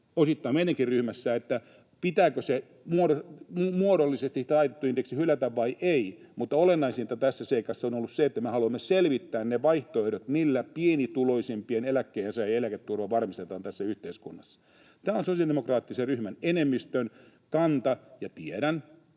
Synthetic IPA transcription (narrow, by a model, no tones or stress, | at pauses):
osit̪ːɑimeiɾeŋkirryhmæsːæet̪ːæ | pit̪æːkøse | muoɾoumuoɾolːisest̪isit̪ɑit̪et̪ːuint̪eksihylæt̪æʋʋɑiʔei | mut̪ːɑolenːɑisinet̪ːæt̪æsːæseikɑsːɑonolːusseet̪ːæmehɑluɑmːeselʋit̪ːæːnneʋɑiht̪oehdot̪milːæpienit̪uloisempienelækːeːensɑjelæket̪ːurʋɑʋɑrmist̪et̪ɑːnt̪æsːæyht̪eiskunːɑsːɑ̥ | t̪æːonsosiɑldemokrɑːt̪ːiseryhmænenemːist̪øn | kɑnt̪ɑjɑt̪ieɾæn